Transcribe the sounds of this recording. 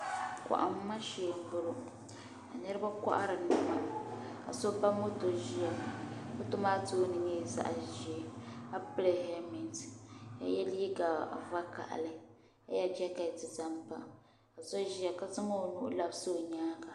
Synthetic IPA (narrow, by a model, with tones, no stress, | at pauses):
ka̰˨ʔa̰˨m̩˦ma˦ʃe˨bʊ˦ɾʊ˦ | a˨nɨ˦ɾɨ˦ba˦ka̰˦ʔa̰˦ɾɨ˨nɨ˦ma˨ka˨so˦ba˦mo˦to˨ʒi˦ja˨mo˦to˦maː˦tu˦nɨ˨ɲɛ˦˨za̰˦ʔʒi˨ɛ˨a˦pɨ˦le˨ɦɛ˦mi˨nta̰˨jɛ˦li˦ɡa˨va˦ka̰˨ʔa̰˨lɨ˦ | ka̰˦ja˦d͡ʒɛ˦ka˨tɨ˨za˦mpa˨ | ka˨zɔ˦ʒi˦ja˨ka˦zɨ˦ŋo˦˨nu˦ʔʊ̰˦la˨bso˦o˨ɲaː˦ɡa˨